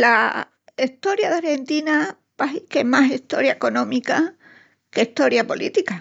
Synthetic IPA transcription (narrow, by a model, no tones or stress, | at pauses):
la | iht̪o̞ɾjaðaɾhe̞nt̪ina | paɦikemasiht̪o̞ɾjaeko̞nõ̞mika | keiht̪o̞ɾjapolʔḭt̪ika